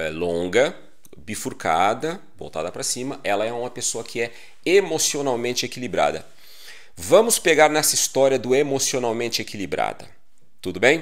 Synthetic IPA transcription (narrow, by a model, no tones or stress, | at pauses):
ɛlõɡɐ | bifuɾkʰad̪ɐ | bo̰wt̪a̰d̪ɐpɾɐsĩmɐʔɛlɐɛũmɐpesoɐkʰɪɛ | emosionawmẽnt͡ʃɪekilibɾa̰d̪ɐ̰ | vɐ̃mʊspeɡaɾnɛsɐist̪ɔɾiɐd̪ʊemosionawmẽnt͡ʃɪekilibɾa̰d̪ɐ̰ | t̪ud̪ʊbẽj̃